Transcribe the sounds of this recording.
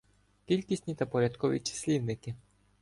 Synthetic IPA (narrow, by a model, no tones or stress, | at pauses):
kʲilʲkʲisʲtʲnʲit̪ɐpɔɾʲad̪kɔʋʲḭt͡ʃɪ̥sʲlʲiwnɪkɪ